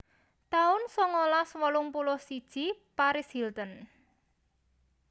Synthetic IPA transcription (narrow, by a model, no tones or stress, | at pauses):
t̪aʊnsɔŋɔlaswɔlʊŋpulʊhsid̥ʒ̥i̤paɾɪshilt̪ən